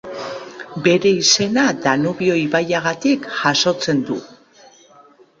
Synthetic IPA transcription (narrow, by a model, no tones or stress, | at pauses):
be̞ɾe̞ise̞nad̪anuβio̞jβajaɣat̪ikʝ̥aso̞t͡se̞nd̪u